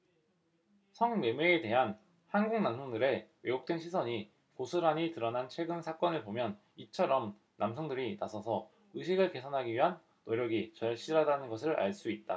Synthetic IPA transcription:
sʰʌŋwe̞meːte̞ɦan | hanɡuŋnamsʰʌŋdɯɾe̞we̞jok̚t͈we̞nɕʰisʰʌɲi | kosʰɯɾaɲitɯɾʌnant͡ɕʰwe̞ɡɯnsʰak͈ʌnɯɭpomjʌn | it͡ɕʰʌɾʌm | namsʰʌŋdɯɾinasʰʌsʰʌ | ɯɕʰiɡɯɭke̞sʰʌnɦaɡiɥiɦanːoɾjʌɡit͡ɕʌɭɕ͈ʰiɾadanɯnɡʌs̬ʰɯɾa̰ɭs͈uit̚t͈a

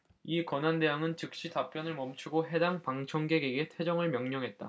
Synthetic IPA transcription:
ikwʌnɦande̞ɦjaŋɯnt͡ɕɯk̚ɕ͈itap͈jʌnɯɭmʌmt͡ɕʰuɡoɦe̞daŋpaŋt͡ɕʰʌŋɡe̞ɡe̞ɡe̞tʰe̞d͡ʑʌŋɯɭmjʌŋɲʌŋɦe̞t̚t͈a̰

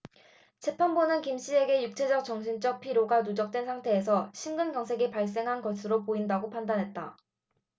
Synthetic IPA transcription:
t͡ɕʰe̞pʰanbonɯnkimɕ͈ie̞ɡe̞juk̚t͡ɕʰe̞d͡ʑʌk̚t͡ɕ͈ʌŋɕʰint͡ɕ͈ʌk̚pʰiɾjoɡanud͡ʑʌk̚t͈wensʰaŋtʰe̞ːsʰʌɕʰimɡɯnɡjʌŋsʰe̞ɡipaɭs͈e̞ŋɦanɡʌsʰɯɾopoindaɡopʰandanɦe̞t̚t͈a̰

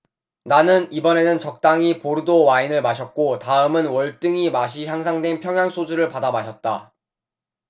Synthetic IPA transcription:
nanɯnibʌne̞nɯnt͡ɕʌk̚t͈aŋipoɾɯdowainɯɭmaɕʰʌt̚k͈otaɯmɯnwʌɭt͈ɯŋimaɕʰiçjaŋs̬ʰaŋdwe̞npʰjʌŋjaŋs͈ʰod͡ʑuɾɯɭpadamaɕʰʌt̚t͈a

